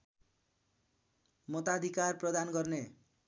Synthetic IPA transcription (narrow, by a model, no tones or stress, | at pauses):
mɔt̪ad̪ʱikarprɔd̪ankʌrne